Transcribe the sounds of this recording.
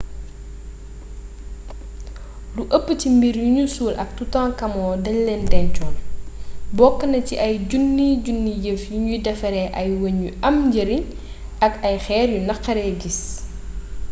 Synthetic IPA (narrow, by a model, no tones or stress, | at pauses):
luʔəpːəcimbiɾjuɲusuːlʔɐk̚tutãːŋkɐmɔːdɐllɛndɛnt͡ʃɔːl | bɔkːənɐciʔɐjɟunːiɟunːijəfjuɲudɛfɐɾɛʔɐjwɐɲːuɐmɟəɾiɲ | ɐkɐjxɛːɾjunɐqːɐɾɛːɡis